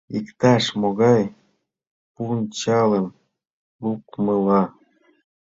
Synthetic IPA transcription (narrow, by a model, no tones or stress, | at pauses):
ikt̪ɑʃmoɣɑj | punt͡ɕɑləm | lukməlɑ